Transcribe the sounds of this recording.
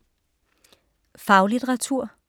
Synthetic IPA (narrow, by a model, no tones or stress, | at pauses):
fɑ̈ʊlit͡sʰeʁɑ̈t͡sʰuɐ̰